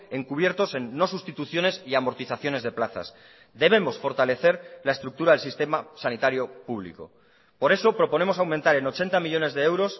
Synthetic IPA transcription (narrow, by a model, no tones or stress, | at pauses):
e̞ŋkuβ̞je̞ɾt̪o̞se̞nːo̞sust̪it̪uθjo̞ne̞siamo̞ɾt̪iθaθjo̞nezðe̞plaθa̰s | d̪e̞β̞e̞mo̞sfo̞ɾt̪ale̞θe̞ɾlaest̪ɾuk̚t̪uɾaðe̞lsist̪e̞masanit̪aɾjo̞puβlḭko̞̰ | po̞ɾe̞so̞pɾo̞po̞ne̞mo̞sawment̪aɾe̞not͡ʃe̞nt̪amiʎo̞ne̞zðe̞ewɾo̞s